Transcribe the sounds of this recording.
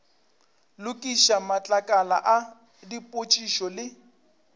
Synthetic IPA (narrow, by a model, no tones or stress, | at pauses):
lʊkʼiʃamat͡ɬʼakʼala̰ʔa | dipʼot͡ʃʼiʃɔlɪ